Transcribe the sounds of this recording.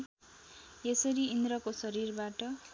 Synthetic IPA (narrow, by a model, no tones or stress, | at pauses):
esʌɾiind̪ɾʌkosʌɾirbaʈʌ